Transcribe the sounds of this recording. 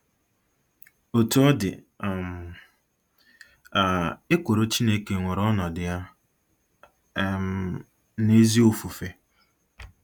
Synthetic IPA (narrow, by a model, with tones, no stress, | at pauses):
o˨tu˦ɔ˦dɪ̰˨ | a˨ɪ˦kʷo˨ɾo˦t͡ʃi˦ne˦ke˨ŋʷʊ˨ɾɔ˦nɔ˨dɪ˨ja˦ | ne˦zi˦o˨fu˨fe˦